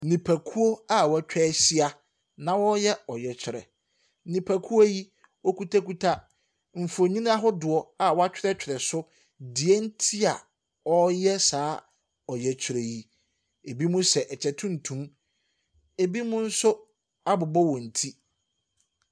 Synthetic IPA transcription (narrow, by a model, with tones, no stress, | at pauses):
nĩ˨pʰæ˨kʰu˦o˦a˦wɔ˨æ˨t͡ɕᶣɛː˦ɕi˦a˨ | nã˨wɔ˦jɛ˦ɔ˨jɛ˨t͡ɕʰᶣɪ˨ɾɛ̰˨˦˨ | nĩ˨pʰæ˨kʰu˦o˦ji˦ | ɔ˦ku˦tʰa˦ku˦tʰa˦ | m̩˨fʊ˨o˨ɲĩ˦n˦ã˦ɦʊ˦dʊ˨ɔ˨a˨wɔ˦a˦t͡ɕᶣɪ˦ɾɛ˦t͡ɕᶣʰɾɛ˨sʊ˦ | dɪ˨ɛ˦n̩˦tʰi˦a˨ | ɔ˦jɛ˦saː˨˦ | ɔ˨jɛ˨t͡ɕᶣʰɾe˨ji˦ | e˨bi˦mũ˦sɛ˨ʔɛ˨t͡ɕʰɛ˨tʰʊ̃˦n̩˨tʰũ˨m | e˨bi˦mʊ̃˦n̩˦sʊ˦ | a˦bʊ˨bɔ˦wɔ̃˨n̩˨tʰi˦